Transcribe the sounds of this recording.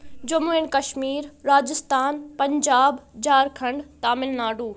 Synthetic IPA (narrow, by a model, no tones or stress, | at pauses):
d͡ʑɐmuɪnkɐʃmiːɾɾaːd͡ʒɪst̪aːnpɐ̃ɲd͡ʑaːbd͡ʑaːɾkʰɐ̃ɳɖt̪aːmɪlnaːɖuː